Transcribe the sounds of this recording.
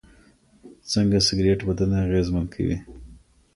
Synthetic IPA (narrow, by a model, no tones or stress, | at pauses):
t͡səŋɡasɪɡɾeʈbad̪anaaɣezmankʰa̰wḭ